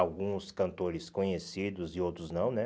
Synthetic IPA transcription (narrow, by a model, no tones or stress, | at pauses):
awɡũskɐ̃nt̪oɾɪskõɲesid̪ʊzɪowt̪ɾʊznɐ̃w̃nɛ